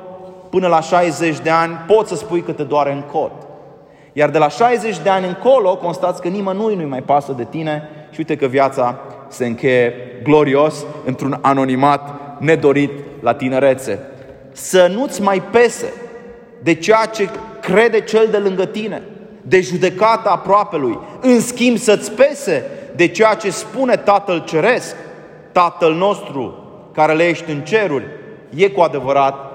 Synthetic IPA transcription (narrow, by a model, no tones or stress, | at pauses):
pɨnəlaʃajze̞t͡ʃʲd̪e̞anʲpo̞t̪sʲsəspujkət̪ed̪oaɾe̞ɨŋkʰo̞t̪ | jard̪e̞laʃajze̞t͡ʃʲd̪e̞anʲɨŋko̞lo̞ko̞nst̪at̪sʲkənimənujnujmajpasəd̪e̞t̪ine̞ʃiujt̪ekəvjat̪sa | se̞ɨŋkʲe̞je̞ɡlo̞ɾio̞sɨnt̪ɾunano̞nimat̪ne̞d̪o̞ɾit̪lat̪ineɾe̞t̪se̞ | sənut̪sʲmajpe̞se̞̰ | d̪e̞t͡ʃejat͡ʃe̞kɾe̞d̪e̞t͡ʃe̞ld̪e̞lɨŋɡət̪ine̞̰ | d̪e̞ʒud̪e̞kat̪əːpɾoape̞lujɨnskʲimbsət̪sʲpe̞se̞d̪e̞t͡ʃe̞jat͡ʃe̞spune̞t̪at̪əlt͡ʃe̞ɾe̞sk | t̪at̪əlno̞st̪ɾu | kaɾe̞lje̞ʃt̪ʲɨnt͡ʃe̞ɾurʲ | je̞kuad̪e̞vəɾat̪̚